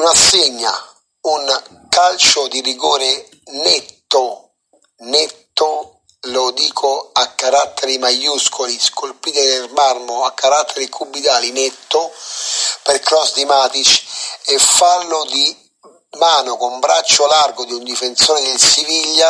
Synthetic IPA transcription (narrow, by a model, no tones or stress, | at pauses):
unasːeɲːa̰ | un | kalt͡ʃʊd̪iriɡoːɾe | nɛt̪ːʊ | nɛt̪ːʊ | lʊd̪iːkʰʊakːaɾat̪ʰːɛɾimajuskʰʊliskolpiːt̪ɪd̪ɪrmarmʊakːaɾat̪ʰːɛɾikʰubːid̪aːlinɛt̪ːʊ | pɪɾkɾɔsd̪imaːt̪it͡ʃefːalːʊd̪i | maːnʊkʊmbɾat͡ʃːʊlarɡʊd̪iund̪ifent̪soːnɪd̪ɪlsiviʎːa